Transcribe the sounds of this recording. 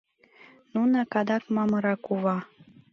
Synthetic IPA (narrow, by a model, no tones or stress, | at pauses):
nunɑkɑd̪ɑkmɑmɤɾɑkuβɑ